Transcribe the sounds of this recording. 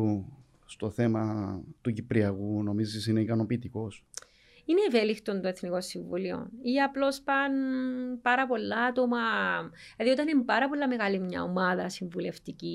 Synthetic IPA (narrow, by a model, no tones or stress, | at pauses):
u | st̪o̞θe̞mɐt̪ucipɾiɐɣuno̞mizisine̞ikɐno̞piːt̪iko̞s | ineːvelikt̪o̞nt̪o̞e̞θniko̞sːiɱvulio̰niɐplo̞spɐnpɐɾɐpo̞lːɐɐt̪omɐ | ɐðio̞t̪ɐnempɐɾɐpo̞lːɐme̞ɣɐlimɲɐ̰omɐðɐsiɱvule̞ft̪ici